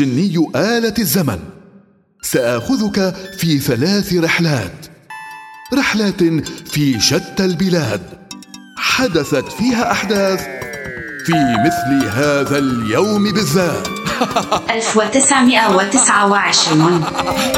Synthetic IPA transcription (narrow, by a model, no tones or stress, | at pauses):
ɪnːɪjːʔaːlaazːama̰n | saʔaʔxʊðʊkafiːθalaːθɾɪħlaːt̪ | ɾɪħlaːt̪fiːʃat̪ːalbɪlaːd̪ | ħad̪aθat̪fiːɦaːʔaħd̪aːθ | fiːmɪθlɪɦaːðaljawmɪbɪðːaːt̪ | ʔalfwɪt̪ɪsʕmɪʔawɪt̪ɪsʕawɪʕɪʃɾ